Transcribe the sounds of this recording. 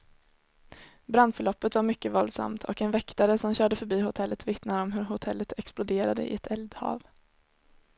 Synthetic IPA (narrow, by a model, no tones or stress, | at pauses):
bɾand̪fœɭɔpːət̪vaɾmʏkːəvɔld̪sa̰mt̪ʰɔkɛnvɛkt̪aɾəsɔmɕœːɖəfœɾbiːhʊt̪ʰɛlːət̪vɪt̪naɾɔmɦɵɾɦʊt̪ʰɛlːət̪ʰɛksplʊd̪eːɾad̪ə̰ʔɪ̰ɛt̪ʰɛld̪hɑ̰ːv